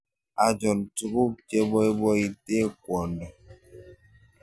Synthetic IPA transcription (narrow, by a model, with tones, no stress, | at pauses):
a˨d͡ʒɔ˨n̩˨tu˦ku˦t͡ʃe˦bɔ˦e˦bɔ˦i˦te˦kʷɔ˨n˦dɔ˨